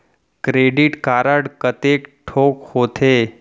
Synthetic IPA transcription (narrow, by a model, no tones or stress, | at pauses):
kɾeɖiʈkaɾəɽkət̪ekʈʰokhot̪ʰe